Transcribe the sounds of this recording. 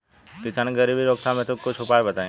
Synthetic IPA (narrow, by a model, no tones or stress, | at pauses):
kɪsaːnɡəɾiːbiɾoːk̚t̪ʰamẽt̪okːʊt͡ʃʰʊpaːebɐt̪aẽ